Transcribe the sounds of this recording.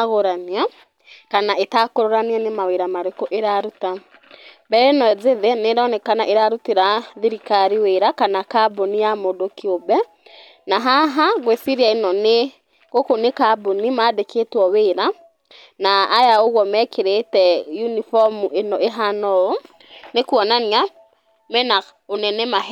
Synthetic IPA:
aɣoɾania | kanaʔetakoɾoɾanianemaweɾamaɾekoʔeɾaɾuta | bɛɾɛenɔɛzeðenedɔnɛkana̰ʔeɾaɾuteɾaðiɾikaɾiweɾakanakabonijamodokeobɛ | naɦaɦaɣwesiɾiaenɔne | ɣokonekabonimaːdeketwɔweɾa | naːjaoɣwɔmɛkʰeɾetɛjunifɔmuʔenɔʔeɦanɔo | nekwɔnania | mɛna | onɛnɛma

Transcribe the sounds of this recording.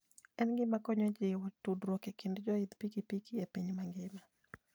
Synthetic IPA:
ɛnɡɪmakɔɲɔd͡ʒɪwɔtudɾwɔkɛkɪndd͡ʒɔid̪pikipikiepiɲmaŋɡɪma

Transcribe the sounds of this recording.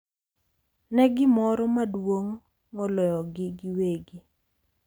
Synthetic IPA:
nɛɡɪmɔɾɔmadwoŋ | mɔlɔjɔɡɪɡɪweɡi

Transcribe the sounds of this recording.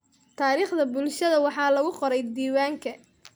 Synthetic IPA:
t̪ʰaːɾiːχd̪ɐbʊlʃɐðɐwɑħɑːlɐɣʊqɔɾɛjd̪iːwaːŋkʰɐ

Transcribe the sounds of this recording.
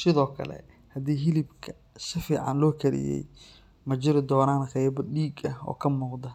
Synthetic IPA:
sɪðɔːkʰɐ̰lɛ̰ | hɐd̪iːɦɪlɪbkʰɐ | sɪfiːʕɑ̰nlɔːkʰɐɾɪ̰jɛ̰j | mɐt͡ʃɪɾɪd̪ɔːnaːnqɛjbɐɖiːɡɐhɔ̰ːkʰɐmuːqd̪ɐ

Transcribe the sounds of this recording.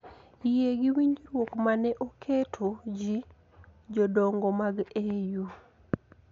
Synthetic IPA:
jeɡɪwiɲd͡ʒɾwokmanɛʔokʰetʰod͡ʒi | d͡ʒɔdɔŋɡɔmaɡeju

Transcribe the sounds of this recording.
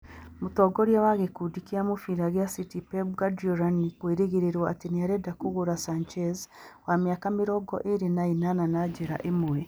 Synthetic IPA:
mutoɡoɾjewaɣekudikiamufiɾaɡjasitipebɡadoɾanikweːɾeɡeɾeɾwaːtinijaɾedakuɣuɾasant͡ʃezwamjakamiɾoɡo̰ʔeɾinainananaɟeɾa̰ʔemuwe

